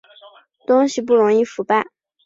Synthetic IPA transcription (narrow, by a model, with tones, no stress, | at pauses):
t̪ʊ˥ŋɕi˨p̬u˥˩ɻʊ˧˥ŋi˥˩fu˧˥pa˥˩ɪ